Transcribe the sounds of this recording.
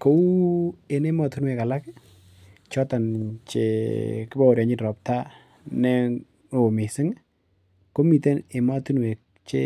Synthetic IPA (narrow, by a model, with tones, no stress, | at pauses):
ko˨˦u˦e˨ne˦mɔ˨tu˦nwe˨ka˨la˦k | t͡ʃɔ˦ta˨nt͡ʃḛ˨kɪ˦bɔ˦o˨ɾja˨ɲɪ˦nɾɔ˨p̚ta˦ | nɛ˦ | o˨mi˨sɪ˦ŋ | ko˦mi˨te˦ne˨ma˦tu˦nwe˨k̚ | t͡ʃe˦